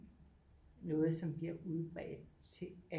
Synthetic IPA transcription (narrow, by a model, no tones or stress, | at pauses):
nɔ̽ːð̞̩ˠsɒ̽mb̥liɐuðˠb̥ʁɛ̰ːd̥t͡sʰe̝æ